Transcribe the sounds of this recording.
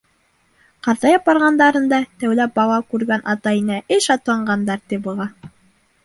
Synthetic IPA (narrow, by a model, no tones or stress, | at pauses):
qɑɾðɑjɑp̚ɑɾʁɑnd̪ɑɾɤnd̪ɑt̪æwlæp̚bɑlˠɑkʉɾɡænʔɑt̪ɑinæʔɘʃɑt̪ɑɴɢɑnd̪ɑɾt̪ibɤ̆lˠɑ